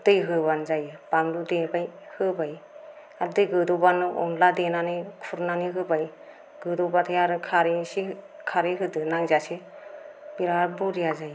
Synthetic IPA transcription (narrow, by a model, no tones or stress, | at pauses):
dɯjɦɯbanzajɯb̥aŋdudebaj | hɯbaj | adɯjɡɯdobanɯʔɔnladenanikʰuɾnaniɦɯbaj | ɡ̥ɯdɔbat̪ʰajaɾɯkʰaɾisi | kʰaɾiɦɯdɯnaŋzasi | biɾaɾbuɾijazaj